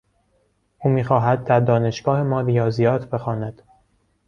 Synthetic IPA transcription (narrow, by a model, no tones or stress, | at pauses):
ʔuːmiːxɒːɦæd̪̚d̪æɾd̪ɒːne̞ʃɡ̥ɒːhe̞mɒːɾijɒːzijɒːt̪ʰbe̞xɒːnæd̪̥